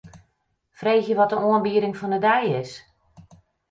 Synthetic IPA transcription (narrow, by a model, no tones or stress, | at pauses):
freːxjəʋɔt̚dəoənbiəɾɪŋfɔndədɛjɪs